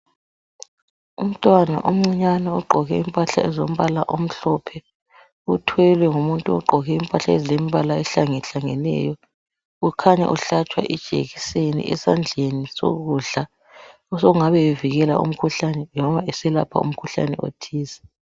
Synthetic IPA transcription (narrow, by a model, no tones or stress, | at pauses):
um̩tʼwana̰ʔum̩ŋ͡ǀiɲanaɔɡ͡ǃʱɔɣɛimpʼaɬa̰ɛzom̩βalaʔom̩ɬɔpʰɛ | utʰwɛlwɛŋumuntʼuɔ̰ɡ͡ǃʱɔɣɛimpʼaɬaezilemiβalaɛɬaŋɛɬaŋɛnɛ̰ːjɔ | ukʰaɲɛ̰ʔuɬat͡ʃʼwa̰ʔɛd̥ʒ̥ʱḛɣisenḭʔɛ̰sand͡ɮʱeniso̰ɣuːɮa | ɔsoɣuŋaβɛjeviɣɛla̰ṵm̩kʰuɬanɛnɔβaɛsɛla̰pʰa̰ṵm̩kʰuɬa̰nɛ̰o̰tʰiːzɛ̥